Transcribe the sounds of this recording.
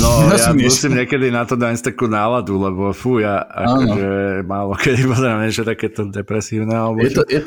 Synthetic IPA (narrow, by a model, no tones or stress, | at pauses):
nɔjamusiːmɲɛkɛd̪inat̪ɔd̪aɲst̪akuːnaːlad̪ulɛbɔfujaa̰ʃɔʒɛmaːlɔkʰɛd̪ipɔzɾaʋɲɛʃɛt̪akɛːt̪ɔd̪ɛpɾɛsiːʊnɛalɛbɔɛjɛ